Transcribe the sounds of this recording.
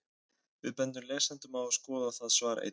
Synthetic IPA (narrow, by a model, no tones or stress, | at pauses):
vɪðpɛnt̪ʏmleːsant̪ʏmawḁskɔːðaθaðsvaːɾa̰ʔḛ